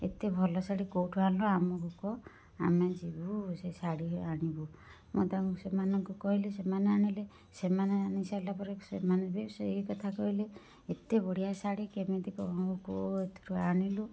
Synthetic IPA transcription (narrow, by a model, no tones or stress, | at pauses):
ḛt̪ebʱɔlɔsaɽikoʈʰualɔamɔkukɔ | a̰med͡ʒibusesaɽiɦaɽ̃ibu | mṵt̪asemanɔŋkukɔɦilesemaneaɽ̃ile | semaneaɽ̃isalapɔɾesḛmanebesekɔt̪ʰakɔɦile | et̪ebɔɽijasaɽikemet̪ikɔɔukoet̪ʰɾuaɽ̃ilu